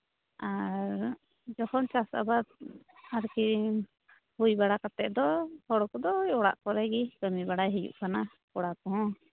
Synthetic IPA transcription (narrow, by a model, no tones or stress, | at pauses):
aɾ | d͡ʒɔhɔnt͡ʃasa̰bad̪̚ | aɾki | hujbaɽakat̪ɛʔd̪ɔhɔɽɔkɔd̪ɔjɔɽa̰ʔkɔɾɛɡikəmibaɽajɦijṵʔkana | kɔɽakɔɦɔ̃